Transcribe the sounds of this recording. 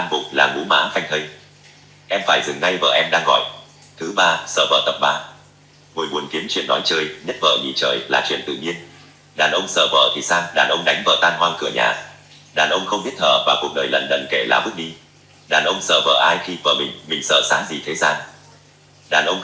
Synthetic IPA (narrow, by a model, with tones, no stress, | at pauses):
aː˧mvʊ̰˨ŋ͡m̚laː˨˩ŋṵ˧˦˥ma̰ː˧˥fa˧jŋ̟t̪ə˧ŋ | ʔɛ˧mfaː˧˩jzɨ˨˩ŋna˧jvə̰ː˧˨ʔɛ˧mɗaː˧ŋɣɔ̰˧˨j | t̪ʰɨ˨˦ɓaː˧sə̰ː˧˨və̰ː˧˨t̪ə˨˩p̚ɓaː˧˩ | ŋo˨˩jmu˨˩˦ənki˨˦əmt͡ɕwḭ˧˨ənːɔ˨˦jt͡ɕəː˧jɲə˦˥t̚və̰ː˧˨ɲḭ˨˩t͡ɕə̰ː˧˩jlaː˨˩t͡ɕwḭ˧˨ənt̪ɨ̰˧˨ɲi˧ən | ɗaː˨˩nʔə˧wŋ͡msə̰ː˧˨və̰ː˧˨t̪ʰi˨˩saː˧wɗaː˨˩nʔə˧wŋ͡mɗa˨˦jŋvə̰ː˧˨t̪aː˧nɦwaː˧nkɨ˧˩əɲa̰ː˧˩˨ | ɗaː˨˩nʔə˧wŋ͡mxə˧wŋ͡mzi˦˥t̚t̪ʰə̰ː˧˨vaː˨˩ku˨˩ək̚ɗəː˨˩jlə̰˧˨nɗə̰˧˨nke˧˩la̰ː˨˩ɓɨ˦˥k̚ɗi˧ | ɗaː˨˩nʔə˧wŋ͡msə̰ː˧˨və̰ː˧˨ʔaː˧jxi˧və̰ː˧˩mï˨˩ŋ̟mï˨˩ŋ̟sə̰ː˧˨saː˨˦zi˨˩t̪ʰe˨˦zaː˧n | ɗaː˨˩nʔə˧wŋ͡m